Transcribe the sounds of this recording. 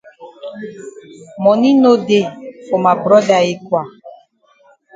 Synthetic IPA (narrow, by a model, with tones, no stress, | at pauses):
mɔ˨nĩ˦no˦de˨fo˨ma˨bɾɔ˦da˨e˦kwa˨